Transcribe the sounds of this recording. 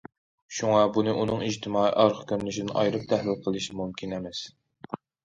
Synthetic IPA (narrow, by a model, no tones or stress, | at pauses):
ʃuŋɑbunɨʔunɨŋid͡ʒt̪ʰɪmɑːḭʔɑɾʁʰə̥kʲʰøɾnyʃid̪ɪnʔɑ̰jɾɨp̚t̪ʰæhlɪlqʰəlˠɨʃmumkʲʰinɛmɛs